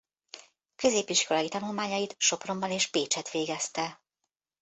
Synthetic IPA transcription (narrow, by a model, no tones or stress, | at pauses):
kø̞zeːpiʃko̞lɒjit̪ɒnulmaːɲɒjit̪ʃo̞pro̞mbɒneːʃpeːt͡ʃɛt̪ʋeːɡɛst̪ɛ